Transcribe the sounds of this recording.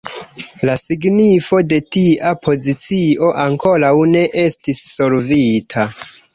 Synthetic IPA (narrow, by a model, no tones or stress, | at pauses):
lasiɡnifo̞de̞tiʔapʰo̞zit͡sio̞ʔaŋko̞ɾawne̞ʔe̞stisːo̞ɾvitʰa